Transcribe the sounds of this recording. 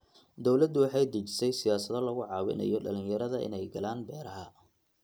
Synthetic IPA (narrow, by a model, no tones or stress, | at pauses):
d̪ɔwlɐd̪ːʊwɑħɑjd̪ɐt͡ʃɪ̥sɛjsɪjaːsɐðɐlɐɣʊʕɑːwɪ̰nɐ̰jɔɖɐlɪnjɐɾɐðɐʔɪ̰nɛjɡɐlaːnbɛːɾɐɦɐ